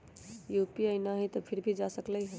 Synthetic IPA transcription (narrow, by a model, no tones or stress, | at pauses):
jupiəɪnaɦĩt̪ɔpʰiɾbʱid͡ʒasəkləjɦɛ